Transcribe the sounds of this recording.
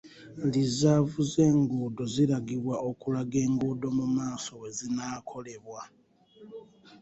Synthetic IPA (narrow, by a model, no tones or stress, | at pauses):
lizavuze̞ːŋɡuːdo̞ziɾaɡiβwaʔo̞kulaɡe̞ːŋɡuːdo̞mumaːso̞we̞zinakʰo̞le̞βwa